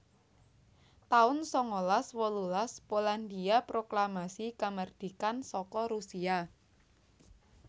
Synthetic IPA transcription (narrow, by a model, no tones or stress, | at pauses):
t̪aʊnsɔŋolaswɔlulaspoland̪iapɾoklamasikamərd̪̥i̤kansɔkɔɾusia